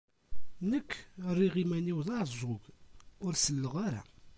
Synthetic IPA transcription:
nəkːrːiʁimæniwðˤɑzˤʊɡʊɾsəlːəʁaɾa̰

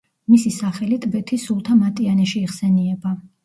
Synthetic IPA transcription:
misisaχɛlit̪ʼbɛt̪ʰisulˠt̪ʰamat̪ʼianɛʃiːχsɛniɛba

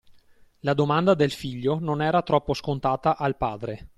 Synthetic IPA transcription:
lad̪omand̪ad̪elfiʎːononɛːɾat̪ɾɔpːoskont̪aːt̪aʔalpaːd̪ɾe

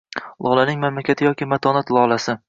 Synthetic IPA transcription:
lˠʔɒlanɪŋmamlakʲʰat̪ʰɪjɒkʲɪmat̪ʰɒnat̪lˠɒlˠasɪ

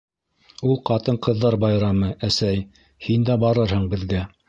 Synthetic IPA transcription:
ulˠqɑt̪ɤɴqɤ̆ðːɑɾbɑjɾɑmɤʔæsæj | hind̪æbɑɾɤɾhɤɴbɘ̆ðɡæ

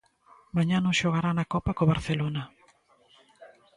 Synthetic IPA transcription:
maɲanõʃoɣ̞aɾanakɔpakoβaɾθelona

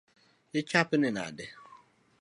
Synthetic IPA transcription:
ɪt͡ʃapɪnɪna̰dɪ

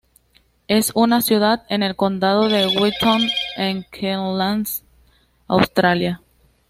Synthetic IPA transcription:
e̞sunasjuðaðe̞ne̞lko̞nd̪að̞o̞ðe̞ɣwit̪ʰoneŋkʰelans | awst̪ɾalja

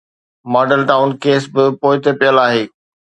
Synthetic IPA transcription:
mɔːɖəlʈaːʊnkeːsbɪpoːɪt̪epijəlaːɦeː

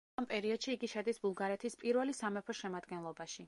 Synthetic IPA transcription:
ampʼɛɾiɔd̪̥ʃiːɡiʃɛd̪isbulˠɡaɾɛt̪ʰispʼiɾvɛlisamɛpʰɔʃɛmad̪ɡɛnlˠɔbaʃi

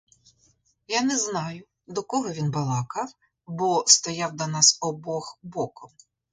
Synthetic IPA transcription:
janɛznɑjʊ | d̪ɔkɔɦɔʋʲinbɐlˠɑkɑw | bɔst̪ɔjɑwd̪ɐnɑsɔbɔxbɔkɔm

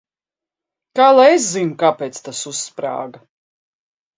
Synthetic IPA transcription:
kaːlˠajes̬zinkapɛːt̪st̪asusːpɾa̰ːɡa

